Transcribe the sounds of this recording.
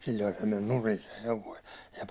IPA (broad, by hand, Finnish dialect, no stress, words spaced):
silʲːoi se men nurin se heʋoi jɑ